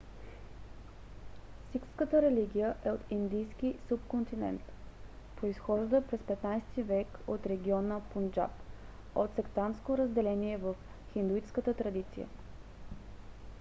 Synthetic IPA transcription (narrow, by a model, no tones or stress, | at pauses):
sikskət̪əɾɛliɡ̟ʲijəʔɛot̪ind̪ijsk̟isupkont̪inɛ̰nt̪ | pɾoisxɔʒd̪əpɾɛspɛt̪najsɛt̪ivɛkot̪ɾɛɡʲiɔnəpund͡ʒa̰p | ot̪sɛkt̪anskoɾəzd̪ɛlɛniɛvəf | xind̪uit͡ʃskət̪ət̪ɾɐd̪it̪sḭjə̰